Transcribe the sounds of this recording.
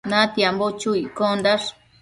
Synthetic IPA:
nãt̪jambot͡ʃuikond̪aʂ

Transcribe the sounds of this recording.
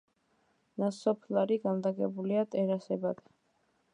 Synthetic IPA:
nasɔpʰlaɾiɡand̪aɡɛbuliat̪ʼɛɾasɛbad̪ɛ

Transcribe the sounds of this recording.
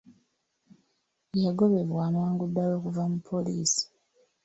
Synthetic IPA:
jaɡo̞βe̞vwaːmaːŋɡudːajo̞ːkuvamupʰːo̞liːsi̥

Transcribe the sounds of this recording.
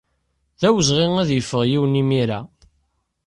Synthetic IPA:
ðæwəzʁeŋæðjəfːəʁjiwənimiɾæ

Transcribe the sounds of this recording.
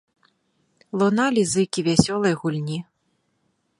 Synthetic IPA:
lˠɔnalʲizɨkʲivʲasʲɔlˠɐjɣulʲnʲi

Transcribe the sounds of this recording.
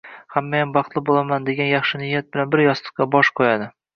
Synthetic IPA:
hamːajanbɑχt̪lˠɪbolˠamand̪e̞ɡʲanjɑχʃɪnɪjːat̪̚bɪlanbɪɾjɒslˠɨ̥qqɑbɒʃqʰɒjad̪ɪ

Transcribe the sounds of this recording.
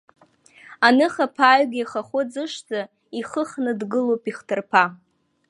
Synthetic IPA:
anɨχapʰaɥɡʲijχaχʷʊd͡zɨʂd͡za | iχəχnɨdɡɨlowpʼiχtʰɨrpʰa

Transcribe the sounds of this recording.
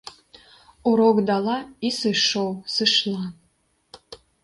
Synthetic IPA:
uɾokd̪ɑlɑisɨʃowsɨʃlɑ

